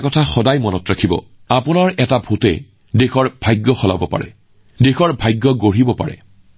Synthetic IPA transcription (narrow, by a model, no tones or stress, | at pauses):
kɔtʰaxɔdajmɔnɔtɹakʰibɔ̰ | apʊnaɹɛtabʱutɛ̰ | dexɔɹbʱajɡːɔxɔla̰bɔpa̰ɹɛ̰ | dexɔɹbʱajɡːɔɡoɹibɔpa̰ɹɛ̰